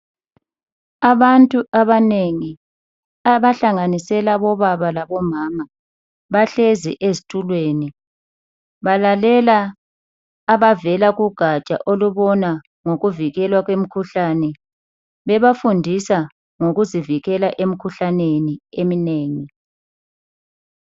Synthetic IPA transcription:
aβantʼuʔaβaneŋi | aβaɬaŋanisɛlaβɔβaβalaβɔmaːma | βaɬezḭʔezitʼulweːni | βalalɛlaː | βavɛlaɣuɡ̥ʱat͡ʃʼa̰ʔoluβɔna | ŋoɣuviɣɛlwaɣwem̩kʰuɬanɛ | βɛβafundʱisa | ŋoɣuziviɣɛlaʔem̩kʰuɬaneniemineːŋi

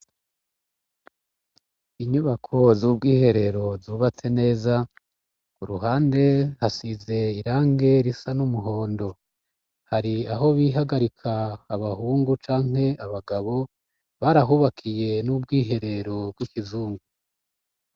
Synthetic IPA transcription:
iɲuβakʰo̞zuːb̚ɡiːhe̞ɾe̞ɾo̞zuːβat͡se̞ne̞ːza | kuɾuɦaːnde̞hasize̞iɾaːŋɡe̞ɾisanumuɦo̞ːndo̞ | haɾiaɦo̞βiɦaɡaɾikʰaːβahuːŋɡut͡ʃaːŋ̥e̞aβaɡaβo̞ | βaɾaɦuβakʰije̞nub̚ɡiːɦe̞ɾe̞ɾo̞b̚ɡwikizuːŋɡu

